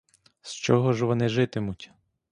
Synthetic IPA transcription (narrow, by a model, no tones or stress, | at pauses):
st͡ʃɔɦɔʒʋɔnɪʒɪt̪ɪmʊtʲ